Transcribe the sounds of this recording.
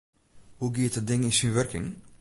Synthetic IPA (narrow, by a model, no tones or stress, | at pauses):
huɡiətədɪŋinsinʋørkɪ̰ŋ